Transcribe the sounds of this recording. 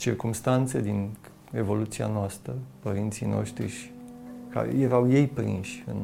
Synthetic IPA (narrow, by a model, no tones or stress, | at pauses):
t͡ʃirkumst̪ant̪se̞d̪in | e̞vo̞lut̪sia̰noast̪ɾəpəɾint̪sijno̞̰ʃt̪ɾḭʃka̰ɾḛjeɾawje̞jpɾḭnʃʲɨ̰n